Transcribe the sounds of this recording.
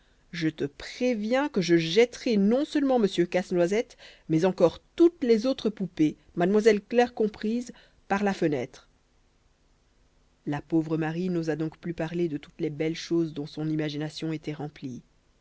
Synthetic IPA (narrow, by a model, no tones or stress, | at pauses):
ʒət̪əpχevjɛ̃kəʒəʒɛt̪ʁɛnɔ̃səlmɑ̃məsjøkasnwazɛt̪mɛzɑ̃kɔʁt̪ut̪lɛzot̪χəpupe | mad̪mwazɛlklɛʁkɔ̃pχiz | paʁlafənɛt̪χ | lapovʁəmaʁinozad̪ɔ̃kplypaʁled̪ət̪ut̪lɛbɛlʃozd̪ɔ̃sɔ̃nimaʒinasjɔ̃et̪ɛʁɑ̃pli